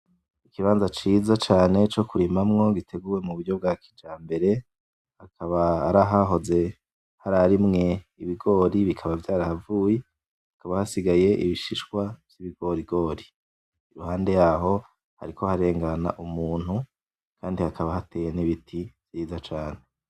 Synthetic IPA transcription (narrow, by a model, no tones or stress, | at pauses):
ikiβaːnzat͡ʃiːzat͡ʃaːne̞t͡ʃo̞kuɾimamŋo̞ɡitʰe̞ɡuːwe̞muβudɟo̞b̚ɡaːkʰi̥d͡ʒaːmbe̞ɾe̞ | hakʰaβaːɾaɦaɦo̞ze̞ | haɾaɾimŋe̞iβiɡo̞ːɾiβikʰaβavjaːɾahavuːje | hakaβahasiɡaje̞ʔiβiʃiʃkwav̥jiβiɡo̞ɾiɡo̞ːɾi | iɾuhaːnde̞jaɦo̞ | ha̰ɾikʰo̞haɾe̞ːŋɡana̰ʔumuːn̥hu | kʰaːndihakʰaβahateːjeniβitʰiv̥jiːzat͡ʃaːne̞